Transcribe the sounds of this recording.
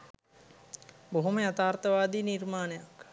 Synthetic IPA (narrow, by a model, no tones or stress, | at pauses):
boɦoməjat̪aːrt̪əʋaːd̪iːnirmaːnəjak